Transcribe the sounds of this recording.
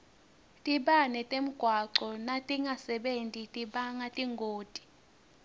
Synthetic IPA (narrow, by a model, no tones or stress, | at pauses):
tʼiɓanɛtʼem̩ɡ̥ʱwaǃɔnatʼiŋʱasɛɓentʼitʼiɓaŋatʼiŋʱoːtʼi̥